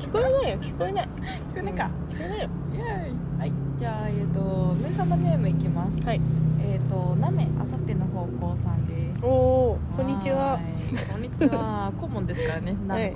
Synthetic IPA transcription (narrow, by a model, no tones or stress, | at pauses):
kʲi̥koenaijokʲi̥koenai | kʲi̥koenaka | kʲi̥koenajo | haid͡ʑaːet̪o̞mesamane̞ːmɯ̟ikʲimasɨ̥haieːt̪o̞name̞ʔa̰sat̪ːe̞no̞ho̞ːko̞ːsãnd̪e̞ | oːkõ̞ɲ̟ːit͡ɕiβa | kõɲːit͡ɕβa | komõ̞nd̪e̞sɨ̥kaɾane̞na